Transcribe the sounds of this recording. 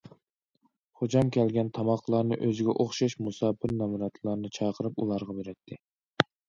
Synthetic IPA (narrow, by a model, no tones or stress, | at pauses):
χod͡ʒɑmkʲɛlɡʲɛnt̪ʰɑmɑqlˠɑɾnɨʔøzɪɡʲɛ̰ʔoχʃɑʃmusɑːpʰɪɾnɑmuɾɑt̪ʰlˠɑɾnɨt͡ʃʰɑqʰəɾɨpulˠɑɾʁɑbeɾɛt̪ʰːɪ